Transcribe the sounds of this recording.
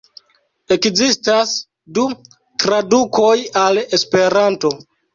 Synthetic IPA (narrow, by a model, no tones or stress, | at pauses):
e̞kzistas | du | tɾaduko̞jale̞spe̞ɾanto̞